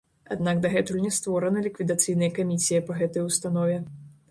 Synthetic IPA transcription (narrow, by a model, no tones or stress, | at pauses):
a̰d̪nakd̪ɐɣɛt̪ulʲnʲɛst̪vɔɾɐnɐlʲikvʲid̪at̪sɨjnɐjɐkamʲisʲijɐpɐɣɛt̪ɐjust̪anɔvʲɛ